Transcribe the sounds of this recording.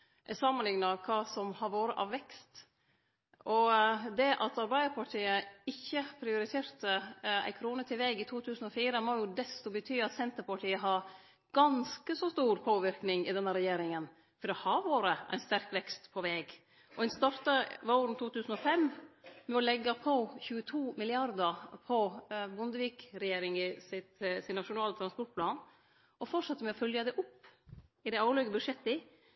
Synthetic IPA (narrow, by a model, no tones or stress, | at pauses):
ʔɛsɑmːənlɪŋnɑkʰɑːsɔmhɑɾʋoːɾəʔɑːʋʋɛkst̪ | ʔɔd̪ɛʔɑt̪ɑɾbæɪd̪əɾpʰɑʈʰiːəɪçːəpʰɾɪʊɾɪt̪ʰeːɾt̪əæ̰ɪkʰɾuːnət̪ʰɪlʋɛɡɪt̪ʰuːt̪ʰʉːsən̩ɔfiːɾəmoːjʊd̪ɛst̪ɔbət̪ʰyːɑt̪sɛnt̪əɾpɑʈʰiːəɦɑː | ɡ̥ɑnskəsɔst̪uːɾpʰoːʋɪɾknɪŋɪd̪ɛnːəɾɛjeːɾɪŋən | fɔɾɔhɑːʋoːɾəʔæ̰ɪnst̪æɾkʋɛkst̪pʰɔʋɛːɡ | ʔɔɛnst̪ɑɾt̪ɑʋoɾn̩t̪ʰuːt̪ʰʉːsən̩ɔfɛmmɛɔlɛɡːɑpʰɔçʉːət̪ʰuːmɪlɪɑɾd̪əɾpʰɔbʊnd̪əʋiːkɾɛjeːɾɪŋɪsɪt̪sɪnnɑʂʊnɑːlət̪ɾɑnspɔɾʈ̚pʰlɑːn | ʔɔfɔʈʂɛt̪ːəɾmɛɔfœljəd̪ɛʔʊpːɪd̪æɑːlœɡəbʉd̪ʂɛt̪ːəɪ